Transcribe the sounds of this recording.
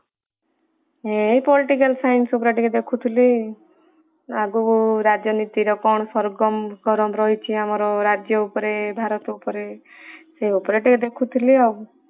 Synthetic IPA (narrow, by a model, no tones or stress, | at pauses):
epɔliʈikalsajnsup̬ɔɾeʈiked̪ekʰut̪ʰili | aɡuɾad͡ʒjɔnit̪iɾɔkɔɳ̃ɔsɔɾɡɔmɡʱɔɾɔmɾɔɦit͡ʃʰiamɔɾɔɾad͡ʒjɔupɔɾebʱaɾɔt̪upɔɾe | seupɔɾeʈiked̪ekʰut̪ʰiliaɡu